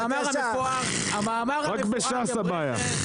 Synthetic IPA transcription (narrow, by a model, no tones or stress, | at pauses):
maʁaioa | amamaʁʁakbeʃasabaja̰